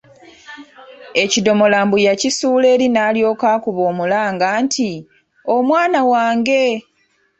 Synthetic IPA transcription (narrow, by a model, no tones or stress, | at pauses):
e̞cido̞mo̞laːmbujacisuːle̞ːɾinaːljo̞ːkaːkuβo̞ːmulaːŋɡaːntʰi | omwaːnawaːŋɡe̞